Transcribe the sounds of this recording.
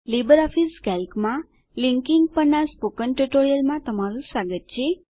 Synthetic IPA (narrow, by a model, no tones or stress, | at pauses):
libəɾɔfiskɛlkmã | liŋkiŋɡ̚pəɾnaspokənʈuʈoɾijəlmãt̪əmaɾũsaɡət̪̚t͡ʃʰe